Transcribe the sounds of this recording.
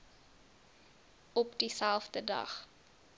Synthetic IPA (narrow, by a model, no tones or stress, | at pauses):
ɔpdisælˠfdədɐ̰χ